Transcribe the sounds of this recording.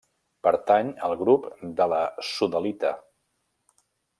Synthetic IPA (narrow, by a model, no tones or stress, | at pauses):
pəɾt̪aɲəlˠɣɾupd̪ələsuðəlit̪ə